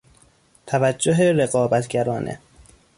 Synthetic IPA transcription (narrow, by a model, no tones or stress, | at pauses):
t̪ʰævæd͡ʒːoɦeɾeɣɒːbæt̪ʰɟæɾɒːnʔḛ